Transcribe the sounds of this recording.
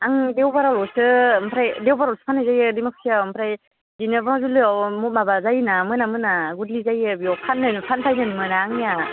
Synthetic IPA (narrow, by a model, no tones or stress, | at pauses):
aŋdewbaɾalɔsɯmpʰɾajdewbaɾalsɯ̥pʰanɯjzajɯdimɯk̚siampʰɾaj | zinɯbnazulɯɔmumabazajnamɯnamɯnaɡudlizajɯbiɔpʰanːɯnpʰanpʰajnɯnmɯnaːŋija